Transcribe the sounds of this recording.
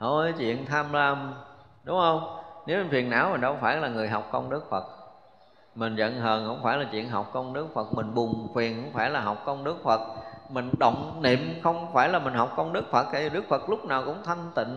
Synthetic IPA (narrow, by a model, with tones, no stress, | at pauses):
ho˧˩˨t͡ɕwḭ˧˨ənt̪ʰaː˧mlaː˧˩m | ɗʊ˨˦ŋ͡mhə˧wŋ͡mne˨˦wfi˨˩ənːa̰ː˧˥˦wmi̟˨˩ɗɔ˧˦wfaː˧˩jlaː˨˩ŋɨ˨˩əjɦa˨˩wk͡p̚kɔ˧ŋ͡mɗɨ˦˥ək̚fə˨˩k̚ | mï˨˩ŋ̟zə̰˧˨nɦəː˨˩nxə̰˧˥wŋ͡mfaː˧˩jlaː˨˩t͡ɕwḭ˧˨ənɦa˨˩wk͡p̚kɔ˧ŋ͡mɗɨ˦˥ək̚fə˨˩k̚mï˨˩ŋ̟ɓʊ˨˩ŋ͡mkwi˨˩ənkə̰˧˥wŋ͡mfaː˧˩jlaː˨˩ɦɔ˨˩wk͡p̚kɔ˧wnɗɨ˦˥ək̚fə˨˩t̚mï˨˩ŋ̟ɗə̰˧˨wŋ͡mnḭ˧˨əmxə˧wŋ͡mfaː˧˩jlaː˨˩mï˨˩ŋ̟ɦa˨˩wk͡p̚kɔ˧wnɗɨ˦˥ək̚fə˨˩t̚hi˨˩˨ɗɨ˦˥ək̚fə˨˩t̚lʊ˦˥k͡p̚naː˨˩wkʊ̰˧˥ŋ͡mt̪ʰə˧ŋt̪ḭ̈˧˨n